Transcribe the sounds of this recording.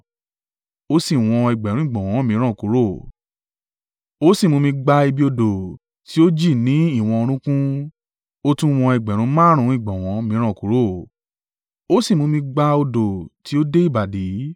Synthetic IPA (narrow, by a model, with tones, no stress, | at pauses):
o˦si˦˨w̃ɔ̃˧ɛ˨ɡ͡bɛ˨ɾ̃ũ˦i˦˨ɡ͡bɔ̃˨w̃ɔ̃˨˦mĩ˨˦ɾ̃ã˦˨ku˨˦ɾo˦˨ | o˦si˦˨mũ˧mĩ˧ɡ͡ba˧i˧bi˧˦o˧do˨ | ti˨˦o˦d͡ʒi˦˨nĩ˨˦i˦˨w̃ɔ̃˧o˧ɾ̃ũ˦kũ˦ | o˦tũ˦˧w̃ɔ̃˧ɛ˨ɡ͡bɛ˨ɾ̃ũ˨˧˦mã˦ɾ̃ũ˨˧˦i˦˨ɡ͡bɔ̃˨w̃ɔ̃˨˦mĩ˨˦ɾ̃ã˦˨ku˨˦ɾo˦˨ | o˦si˦˨mũ˧mĩ˧ɡ͡ba˧o˧do˨ti˨˦o˦de˦i˦˨ba˨di˨˦